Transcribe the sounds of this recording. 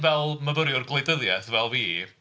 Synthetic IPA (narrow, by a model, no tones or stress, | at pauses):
vɛlˠməvəɾjʊrɡlˠejdəðjɛθvɛlˠviː